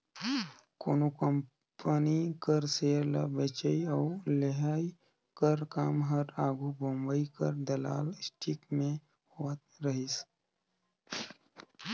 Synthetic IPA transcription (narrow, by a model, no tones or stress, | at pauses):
koːnokəm | pənikəɾseːɾla̰bet͡ʃəiɔːʊleɦaːi | kəɾkaːmɦəɾaːɡʱubõmbəikəɾd̪ɐla̰ːlɪsʈʰikmẽ | hoːət̪̚ɾəɦis